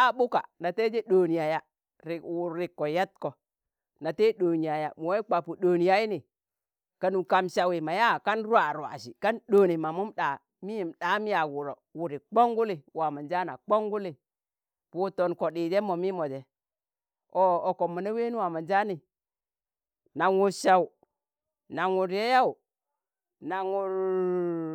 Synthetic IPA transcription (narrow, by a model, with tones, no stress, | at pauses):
a˦ɓu˦ka̰˨na˨te˦d͡ʒe˦ɗo˨ni˨ja˨ja˦ | ɾi˨wu˨ɾi˨kːɔ˨ja˦t̚kɔ˨ | na˨te˦ɗo˨ni˨ja˨ja̰˨mu˨we˦k͡pa˨pu˨ɗoː˨ni˨ja˦i˦ni˨ | ka˨nu˨ka˨mʃa˨wi˨ma˨ja˦˨ka˦nɾu˦a˨ɾa̰˨ʃi˨ka˦nɗo˨ni˨ma˨mu˦mɗa˨ | mi˦ji˨mɗa˨˦mi˦ja˨wu˨ɾɔ̰˨wu˨ɾi˨k͡po˦ŋɡu˦li˨wa˨ma˨nd͡ʒa˦na̰˨k͡po˦ŋɡu˦li˨ | pu˨to˨nko˨ɗi˨de˦mo˨mi˦mo˨de˨ | o˨o˨ko˨mːu˨ne˦we˦ni˦wa˨ma˨nd͡ʒa˦ni˨ | na˨ŋu˨ʃa˨wu˨ | na˨ŋu˨ɾje˦ja˦u˨ | na˨ŋu˨ɾ